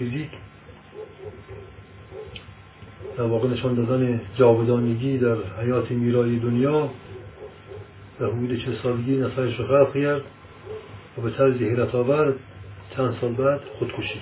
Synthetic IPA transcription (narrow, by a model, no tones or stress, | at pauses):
fiziːk | d̪̥æɾvɒːɣeneʃɒːnd̪ɒːd̪æned͡ʒɒːbed̪ɒːneɡiːd̪æɾhæjɒːt̪ʰemiːɾɒːjed̪onjɒː | væhod̪uːd̪et͡ʃʰelsɒːleɡiːnæt̪ɒːjeʃɾoxælqkʰæɾd̪ | væbet̪ʰæɾziheɾæt̪ʰɒːvæɾd̪t͡ʃʰænd̪sɒːlbæd̪̥χod̪kʰoʃiːd̪̥